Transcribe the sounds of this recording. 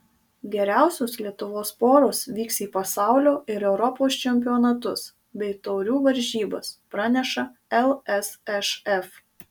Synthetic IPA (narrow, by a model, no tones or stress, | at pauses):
ɡʲɛɾʲæˑʊsʲoːslʲiɛt̪ʊʋoːspoːɾoːsʋʲiːksiːpɐsɑˑʊlʲoːʔɪɾɛʊɾɔpoːst͡ʃʲɛmʲpʲɪɔːnɐt̪ʊs | bʲɛɪt̪ɔʊɾʲuːʋɐɾʲʒʲiːbɐspɾɑːnʲɛʃɐɛlˠɛsɛʃɛf